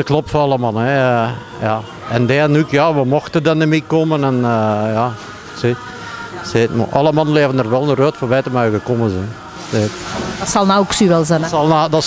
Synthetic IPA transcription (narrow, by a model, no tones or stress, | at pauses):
dəklɔp̚tfoɑlˠəmɑnˠəɛ | jɑ | ɛndɛːnykjɑʋəmɔxtədənəmikɔmənɛnəjɑ | set | seːtm̰ʔɑ̰ləmɑnəleəvənərʋɛlˠəərøːtfɔʋɛːtəmœɥɣəkɔməzɛn | seːtdtsɑlˠnaksyʋɛlˠzɛnsɑlˠnadɑ